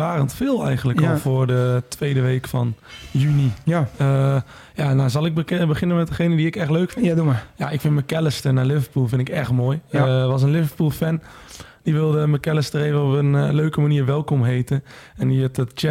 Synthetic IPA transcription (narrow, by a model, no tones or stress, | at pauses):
aːrəntfɪːlˠɛ̰jɣəntləkɔlˠfʊːrdətʋeːdəʋeːkfɔnjyniə | janazɑlˠɪk̚bəχɪnənmɛt̚dəxeːnədiɪkɛxtløːkfɪjaɪkfɪnməkɛlɪstənalɪvəɹpulˠfɪntɪkɛxtmoːjʋɑs̬ənlɪvərpuːlˠfɛn | d̥iʋɪlˠdəməkɛlɪstəreːvəopənløːkəmaniːrʋɛlˠkɔmɦeːtənɛndiɪtətt͡ʃɛ